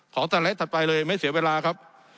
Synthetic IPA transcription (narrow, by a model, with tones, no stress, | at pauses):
kʰɔː˩˦t͡ɕ̪aː˧lt̪ʰa˨˩t̪̚pa˧jlɤː˧ma˥˩jsi˨˩˦weː˧laː˧kʰa˦˥p̚